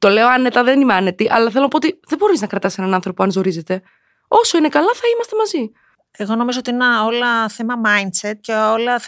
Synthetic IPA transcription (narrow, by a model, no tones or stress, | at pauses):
t̪o̞le̞oɐnet̪ɐðenimɐnet̪iʔɐlɐθelonɐpoot̪iðebo̞ɾiznɐkɾɐt̪ɐse̞nɐnɐnθɾo̞poɐnzo̞ɾize̞t̪e̞ | o̞so̞ine̞kɐlɐθɐimɐst̪e̞mɐzi | eɣo̞no̞mizoot̪iineolɐθemɐmɐjnset̪̚ceolɐ